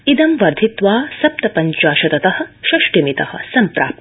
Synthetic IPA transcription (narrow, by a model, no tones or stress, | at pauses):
id̪ɐmʋɐɾd̪ʱit̪ʋaːsɐp̚t̪ɐpɐɲt͡ʃaːʃɐt̪ɐt̪ɐhɐ̆ʃɐʃʈimit̪ɐ̰hɐ̆sɐmpɾa̰ːp̚t̪